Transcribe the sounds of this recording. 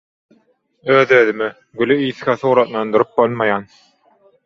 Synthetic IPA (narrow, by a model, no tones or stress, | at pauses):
øːðøːðymi | ɡylyiːθxæθuːɾɑt̪lˠɑnd̪ɯɾɯp̚bolˠmɑjɑːn